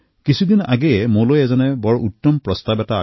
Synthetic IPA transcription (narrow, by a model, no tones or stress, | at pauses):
kisʰud̪ina̰ɡɛjɛmolojɛzɔnɛbɔɹʔut̪ːɔmpɹɔst̪abɛta̰ː